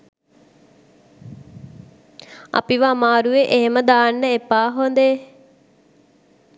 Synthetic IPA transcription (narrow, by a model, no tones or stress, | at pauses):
a̰piʋaːmaːɾuʋeʔeɦeməd̪aːnːəepːaːɦond̪e